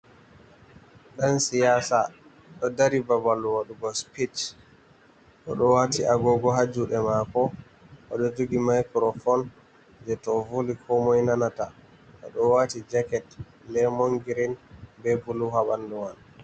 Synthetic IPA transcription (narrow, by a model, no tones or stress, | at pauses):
ɗansijasa | ɗɔdaɾibabaluwaɗuɡɔspit͡ʃ | ɗɔ̰ɗɔwatiaɡɔɡɔɦad͡ʒuɗɛmakɔ | ʔɔɗɔd͡ʒuɡimajkɾɔfɔn | d͡ʒɛtɔvulikʰɔmɔjnanata | ʔɔ̰ɗɔwatid͡ʒakɛt | lɛmɔŋɡiɾinbɛbuluhaɓanduwan